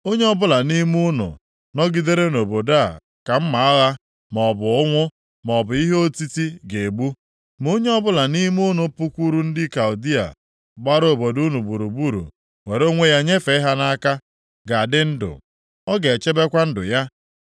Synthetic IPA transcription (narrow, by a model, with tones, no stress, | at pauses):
o˦ɲe˦ɔ˦bʊ˦la˨ni˦mu˦nʊ̰˨ | nɔ˦ɡi˦de˦ɾe˦no˨bo˨da˦˨ | ka˨m̩˦ma˨a˦ɣa˦ | mɔ˨bʊ˨ʊ˦ŋʷʊ˦ | m˨ɔ˨bʊ˨i˦ɦo˦ti˦ti˦ɡe˨ɡ͡bu˦ | m˨o˦ɲe˦ɔ˦bʊ˦la˨ni˦m˦u˦nʊ˨˦pu˦kʷu˦ɾu˦n̩˦dɪ˦ka˨u˨di˦a̰˨ | ɡ͡ba˦ɾo˨bo˨du˦nu˨bu˨ɾu˨bu˦ɾṵ˨ | we˨ɾo˦ŋʷe˦ja˦ɲe˦fe˨˦ɪ˦ɦa˦na˦ka˦ | ɡa˨a˨dɪ˦n̩˦dʊ̰˨ | ɔ˦ɡe˨t͡ʃe˦be˦kʷa˦n̩˦dʊ̰˨ja˦